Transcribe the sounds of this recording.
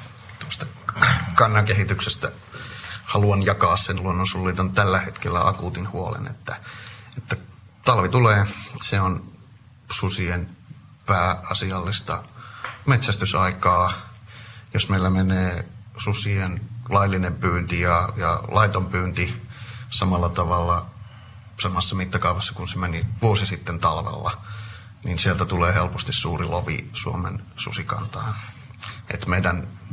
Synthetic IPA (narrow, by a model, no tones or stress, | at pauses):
t̪uost̪ɑ̥kɑnːɑkehit̪yksest̪æ | hɑluɑnjɑkɑːssenluonːosulːiːt̪ont̪ælːæhet̪kelːæ̰ʔɑ̰kuːt̪inhuolḛnḛt̪ːæet̪ːæt̪ɑlʋit̪uleːseon | susien | pæːɑsiɑlːist̪ɑ̰met̪sæst̪ysɑikɑː | josmeilːæmeneːsusienlɑilːinempyːnt̪ijɑjɑlʔɑit̪ompyːnt̪isɑmɑlːɑt̪ɑʋɑlːɑ | sɑmɑsːɑmit̪ːɑkɑuʋɑsːɑ̥kunsemeniʋuosisit̪ːent̪ɑlʋḛlːɑ̰ | ninsielt̪æt̪uleːhelpost̪issuːriloʋḭsṵomḛnsṵsikɑ̰nt̪ɑːn | ʔḛt̪meidæn